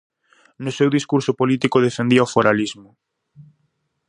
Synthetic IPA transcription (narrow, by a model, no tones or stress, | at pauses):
nʊsewðiskuɾsʊpolit̪ikʊðefend̪iɐofoɾalizmʊ